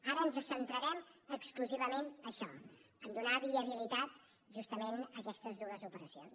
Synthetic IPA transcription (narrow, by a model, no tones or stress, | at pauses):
aɾunzəsənt̪ɾəɾɛməkskluziβ̞əmenəʃɔ | ənd̪unaβiəβ̞ilit̪at̪ | ʒust̪əmenəkɛst̪əzðuəzupəɾəsions